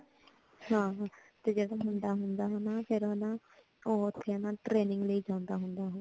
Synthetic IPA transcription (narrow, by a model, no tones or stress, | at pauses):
hãːt̪eːd͡ʒəd̪õːɦʊnd̪aːɦʊnd̪aːɦonaːpʰɪɾonãː | oːʊt̪ʰːeːənãːʈɾeːnɪ̃ŋɡləiːd͡ʒãːʊ̃nd̪aːɦʊnd̪aːɦõ